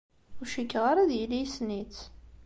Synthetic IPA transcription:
ʊɾʃikːʁaɾˤaðjilijsnit͡s

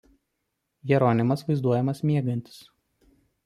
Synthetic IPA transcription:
jɛɾoːnʲɪmɐsʋɐɪzd̪uɔjɛmɐsmʲiɛɡɐnʲt̪ʲɪ̥s

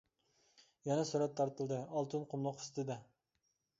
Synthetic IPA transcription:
jɛnɛsyɾɛt̪ʰːɑɾt̪ɨlˠd̪ɨɑlˠt̪ʰɨnqʰomlˠʊqɨ̥st̪ʰɨd̪ɛ

